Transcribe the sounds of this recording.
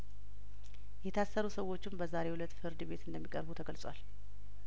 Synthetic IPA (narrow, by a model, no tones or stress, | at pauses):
jɛt̪ʰasːəɾusəwːo̞t͡ʃːɪmbəzaɾe̞hulət̪ːfɨɾd̪ɨbe̞t̪ɨnd̪əmːikʼəɾbut̪ʰəɡəlsʼwal